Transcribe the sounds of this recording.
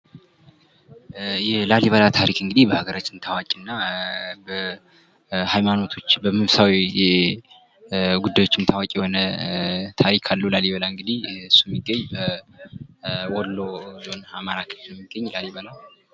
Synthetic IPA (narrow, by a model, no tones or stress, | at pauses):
jɛlaliβalat̪ʰaɾikɨŋɡɨd̪ibəhaɡəɾat͡ʃːɪnt̪ʰawakʼnːabə | hajmano̞t̪ʰo̞t͡ʃːbəmɨfsawijɛ | ɡud̪ːajwo̞t͡ʃːɪnt̪ʰawakʼjɛho̞nət̪ʰaɾikʰalːulaliβalaɨŋɡɨd̪ihsːujɛmːiɡːəɲːbə | wɔlːo̞zo̞namaɾakʰəfɛmːiɡːəɲːlaliβala